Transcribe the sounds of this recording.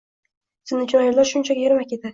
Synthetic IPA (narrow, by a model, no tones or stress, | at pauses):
sɪnɪt͡ʃʰɒjɪɾlaɾʃʊnt͡ʃʰakʲjeɾmakʲed̪ɪ